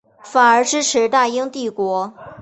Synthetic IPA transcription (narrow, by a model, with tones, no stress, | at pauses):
fa˨˩ə˞˧˥ʈ͡ʂɻ̩˥ʈ͡ʂʰɻ̩˧˥t̪a˥˧i˥ŋt̪i˥˩kwɔ˧˥